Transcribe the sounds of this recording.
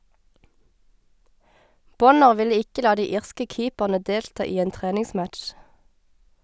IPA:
ˈbɔnəʁ ˈʋɪlə ˈɪkə ˈlɑː ˈdiː ˈiːʁskə ˈkiːpæʁnə ˈdeːltɑː ˈiː ˈeːn ˈtʁeːnɪŋˌsmæʈʃ

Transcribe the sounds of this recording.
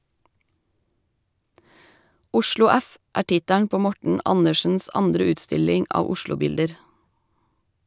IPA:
ˈʊʃlʊ ˈæf ˈʔæː ˈʈɪtæɳ ˈpoː ˈmɔʈɳ̩ ˈʔɑnəʃn̩s ˈɑndɾə ˈʉːtˌstɪlɪŋ ˈɑːʋ ˈʊʃlʊˌbɪldəɾ

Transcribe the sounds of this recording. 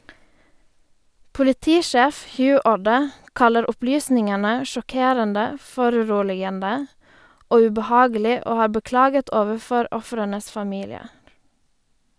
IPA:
pʊlɪˈtiːˌʃæːf ˈhjʉː ˈuːɖə ˈkɑləɾ ˈʊplyːsnɪŋənə ʃɔˈkeːɾəndə ˈfɔɾʉˌɾuːlɪɡəndə ˈoː ʉbəˈhɑːɡəlɪ ˈoː ˈhɑː bəˈklɑːɡət ˈoːʋəˌfɔɾ ˈɔfɾənəs fɑˈmiːlɪəɾ

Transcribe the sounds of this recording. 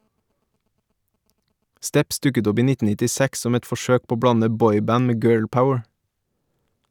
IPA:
ˈstɛps ˈdʉkət ˈɔp ˈiː ˈnɪtn̩ nɪtɪˈsæks ˈsɔm ˈɛt fɔˈʃøːk ˈpoː ˈoː ˈbɽɑnə ˈbɔʏˌbæn ˈmeː ˈɡɜːɭˌpaʊəɹ

